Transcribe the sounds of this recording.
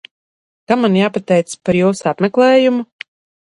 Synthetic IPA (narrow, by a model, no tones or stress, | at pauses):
kamanjaːpat̪ɛjt̪spaɾjuːsapmɛklˠɛːjumu